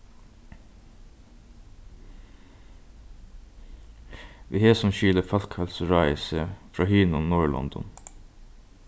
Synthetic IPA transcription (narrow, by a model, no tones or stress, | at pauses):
ʋiːheːsɔmʃʏləfɑlkʰhɑlsɹɑɪsəfɹɑːhyːnɔnnuːɹɭɔ̰nd̪ɔ̰n